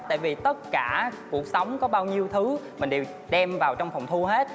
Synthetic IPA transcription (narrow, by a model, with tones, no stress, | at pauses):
t̪a̰ː˧˨jvi˨˩t̪ə˦˥t̚kaː˧˩ku˨˩ək̚sə˨˦wŋ͡mkɔ˨˦ɓaː˧wɲi˧əwt̪ʰɨ˨˦mï˨˩ŋ̟ɗe˨˩w | ɗɛ˧mvaː˨˩wt͡ɕɔ˧wŋ͡mfɔ˨˩wŋ͡mt̪ʰu˧ɦe˦˥t̚